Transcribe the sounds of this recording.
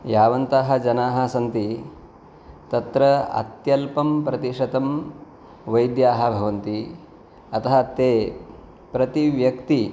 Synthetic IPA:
jaːʋɐnt̪aːɦɐ̆d͡ʒɐnaːɦɐ̆sɐnt̪i | t̪ɐt̪ɾɐɐ̰t̪jɐlpɐmpɾɐt̪iʂɐt̪ɐm | ʋɐjd̪jaːɦɐ̆bʱɐʋɐnt̪i | ɐt̪ɐɦɐt̪eː | pɾɐt̪iʋjɐkt̪i

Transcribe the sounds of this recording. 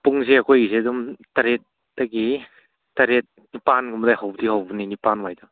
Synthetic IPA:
puŋzeakʰojisedumtaɾet̚ | daɡi | taɾet̚ | nipanɡumdajhawbdihawbɯninipanwajdɔ

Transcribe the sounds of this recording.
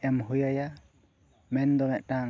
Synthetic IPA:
ɛmɦujaja | mɛnd̪ɔmɛʔna

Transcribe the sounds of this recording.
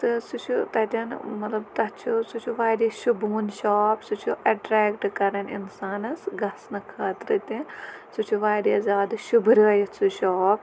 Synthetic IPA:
t̪ɨsut͡ʃʰut̪ɐt̪ʲɐnmɐt̪lɐbt̪ɐt͡ʃʰusut͡ʃʰuʋaːɾjɐʃubunʃaːpsut͡ʃʰuʔɐʈɾɛːkʈkɐɾɐnḭnsaːnɐsɡɐsnɐkʰaːt̪ɾɨt̪ʲisut͡ʃʰuʋaːɾjɐzʲaːd̪ɐʃubɾɨjɐsuʃaːp

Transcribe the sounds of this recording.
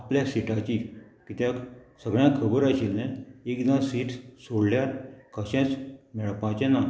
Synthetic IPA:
apljasiʈat͡ɕikit̪jasəɡɭjãkʰəbəɾaɕilnẽekd̪ãsiːʈsoɽljaɾkʰəɕɛ̃t͡smɛɭpãt͡ɕɛ̃na

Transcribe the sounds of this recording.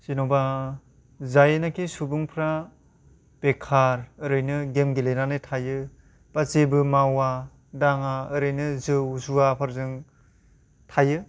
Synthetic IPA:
sinoba | zajnakʰisubuŋpʰɾa | pekʰaɾɯɾɯjnɯɡemɡilejnanɯtʰajɯ | b̥azebɯmawa | daŋaɯɾɯjnɯzɯwzuapʰaɾzɯŋ | tʰajɯ

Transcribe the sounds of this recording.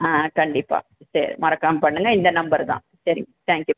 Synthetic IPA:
aːkɐɳɖipːa̰ː | ɕɐɾḭmɐrɐkːaːmpɐɳːɨŋːɐind̪ɐnɐmbɐɾd̪a̰ːmɕɐɾḭŋːɐt̪ʰãːŋkju

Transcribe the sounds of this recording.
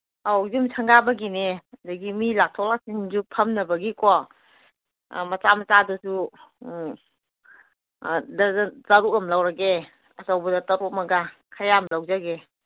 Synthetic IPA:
awzumsʰɐŋɡabɐɡinedɐɡimilak̚tʰɔklak̚siŋzupʰɐmnɐbɐɡikɔ | mɐt͡ʃamɐt͡ʃadusu | dɐzɐɾuɐmlawɾɐɡe | ɐsawbɐdɐtɐɾumɐɡakʰajamlawzaɡe

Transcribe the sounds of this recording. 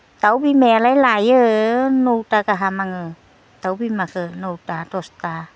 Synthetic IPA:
t̪awbimɛlajlajənowtakaɦamaŋə | t̪awbimakənowt̪atɔst̪a

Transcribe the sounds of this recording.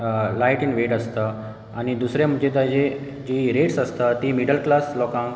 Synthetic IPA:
lajʈinʋeʈəst̪ə | añid̪usɾjam̤əd͡ʑet̪ad͡ʑe | d͡ʑiɾeʈsəst̪ət̪imiɽəlklaslɔkãŋ

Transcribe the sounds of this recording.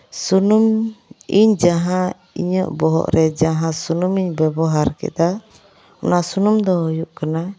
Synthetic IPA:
sunumiɲd͡ʒaɦã | ḭɲəʔbɔɦɔ̰ʔɾɛd͡ʒaɦãsunumiɲbɛbɔɦaɾkɛ̰d̪a | ɔ̰nasunumd̪ɔɦujuʔkana

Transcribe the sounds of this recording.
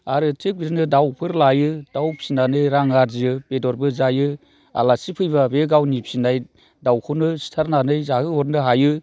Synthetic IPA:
aɾɯtʰek̚biɾnɯdawpʰɯɾlajɯd̥awpʰsinanɯjɾaŋaɾziɯbedɔɾbɯzajɯ | a̰lasipʰɯjβabeɡawnipsinaj | dawkʰɯnɯsi̥tʰaɾnanɯjzaɡɯɔɾnɯɦajɯ

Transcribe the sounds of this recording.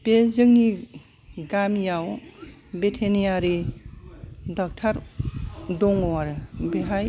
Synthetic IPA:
pezɯŋni | ɡamjawbetʰenijaɾi | dɔk̚tʰaɾ | dɔŋɔwaɾɯbeɦaj

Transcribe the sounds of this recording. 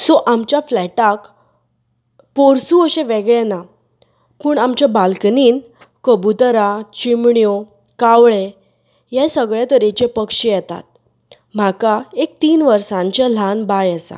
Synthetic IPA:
sɔʔamt͡ɕjaflɛʈak | poɾsuəɕẽʋeɡɭena | puːɳamt͡ɕabalkniːn | kəbut̪əɾat͡ɕimɳjo | kaʋɭe | jɛ̃səɡɭjat̪əɾet͡ɕepəkʂijɛt̪a̰t̪̚ | m̤akaek̚t̪iːnʋəɾsãɲt͡ɕal̤anbajəsã̰

